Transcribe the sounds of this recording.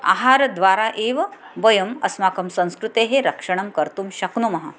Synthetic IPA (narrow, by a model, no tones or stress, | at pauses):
a̰ːɦaːɾd̪ʋaːɾaʔeʋ | ʋɐjɐmɐsmaːkɐmsɐ̃w̃skɾut̪eɦeɾɐkʂɐɳ̃ɐmkɐɾt̪uːmɕɐknumɐɦa̰